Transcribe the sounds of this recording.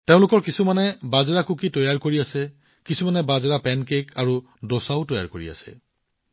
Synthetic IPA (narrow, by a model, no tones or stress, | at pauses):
teʊ̃lʊkɔɹkisumanɛbazɹakukitɔjaɹkoɹiasɛ | kisumanɛbazɹapɛnkekʰaɹu | dosaʊtɔja̰ɹkoɹḭa̰sɛ̰